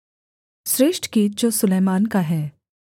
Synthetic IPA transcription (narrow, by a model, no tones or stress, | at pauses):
sɾeːʃʈkid͡ʒoːsʊleːmaːnkaɦɛː